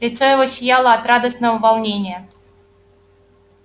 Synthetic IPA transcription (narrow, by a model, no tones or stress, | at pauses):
lʲɪt̪sojɪvoɕʲjalˠəɐt̪rad̪əsnəvəvalˠnʲenʲɪjə